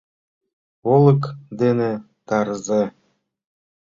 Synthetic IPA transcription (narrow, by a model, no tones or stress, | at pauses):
olˠɤ̆kd̪enĕ | t̪ɑɾze